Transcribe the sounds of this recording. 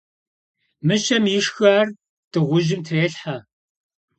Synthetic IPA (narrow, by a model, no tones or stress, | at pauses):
mɨʃɐmjɪʂxaːr | d̥ɨʁʷʊʒɪmtʰreːɬħa